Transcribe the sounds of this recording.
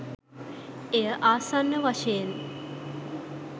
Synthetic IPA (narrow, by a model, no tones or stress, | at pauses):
ejəʔaːsanːəʋaʃejen